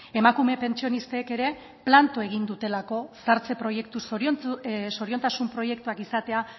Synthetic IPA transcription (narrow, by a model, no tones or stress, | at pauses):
e̞makume̞pe̞nt͡sio̞nist̪eːke̞ɾe̞ | plant̪oe̞ɣ̞ind̪ut̪e̞lako̞saɾt͡se̞pɾojekt̪us | so̞ɾio̞nt̪asumpɾo̞je̞k̚t̪uakisat̪e̞a